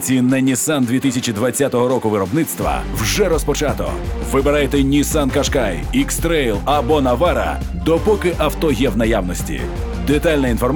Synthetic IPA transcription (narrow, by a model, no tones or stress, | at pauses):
t͡sʲinːɛnʲisand̪ʲʋʲit̪ɪsʲɐt͡ʃid̪ʋɐt͡sʲːat̪ɔɦɔɾɔkʊʋɪɾɔbnɪt̪st̪ʋɐ̰wʒɛɾɔspɔt͡ʃat̪ɔ̰ʋɪbeɾajt̪ɛnʲisankɐʃkaj | ikst̪ɾɛjlˠɐbɔnɐʋaɾɐ̰ | d̪ɔpɔkɪʔɐwt̪ɔjɛwnɐjawnɔsʲtʲḭ | d̪ɪt̪alʲnɐinfɔrm